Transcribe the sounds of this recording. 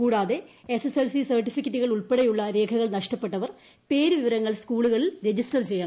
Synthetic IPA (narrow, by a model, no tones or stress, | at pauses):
kuːɽaːðe̞ | eseselsisɐrʈːifikːɐtːuɣɐɭuɭpeɽejuɭːɐɾe̞ːkʰɐɣɐɭnɐʂʈɐpːe̞ʈːɐʋɐr | pe̞ːɾuʋiʋɐɾɐŋːɐɭskuːɭuɣɐɭilɾe̞d͡ʑisʈɐrt͡ɕejːaːɳɐ